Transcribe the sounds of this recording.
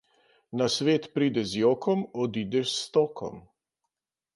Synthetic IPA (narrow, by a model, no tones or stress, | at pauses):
nasʋeːt̪pɾiːd̪ɛzjoːkɔmɔd̪iːd̪ɛst̪oːkʰɔ̰m